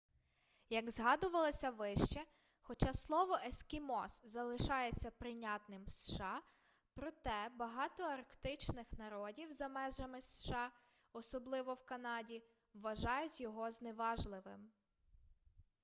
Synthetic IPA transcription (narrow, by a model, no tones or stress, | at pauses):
jɐɡzɦɑd̪ʊʋɐlˠɔsʲɐʋɪʃt͡ʃɛ | xɔt͡ʃɑslˠɔʋɔʔeskʲimɔszɐlˠɪʃɑjet͡sʲːɐpɾɪnʲɑt̪nɪmsʃɑ | pɾɔt̪ɛbɐɦɑt̪ɔɐrkt̪ɪt͡ʃnɪxnɐɾɔdʲiwzɐmɛʒɐmɪsʃɑ | ɔsɔblˠɪʋɔwkɐnɑdʲi | wːɐʒɑjʊtʲjɔɦɔzneʋɑʒlˠɪʋɪm